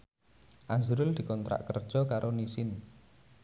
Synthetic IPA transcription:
ʔazuɾʊld̪̥i̤kɔnt̪ɾa̰ʔkərd̥ʒ̥ɔkaɾʔonisɪn

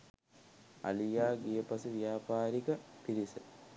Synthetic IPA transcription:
ɐ̰lijaːɡijəpɐsiʋijaːpaːɾikɐpiɾisə

